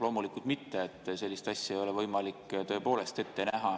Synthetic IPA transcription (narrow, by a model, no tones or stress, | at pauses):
lo̞ːmulikult̪̚mit̪ːeet̪ːˑse̞lʲːist̪ɑsʲjɑejo̞le̞vɤjmɑlikːt̪ø̞ːpo̞ːle̞st̪e̞t̪ːe̞næɦɑ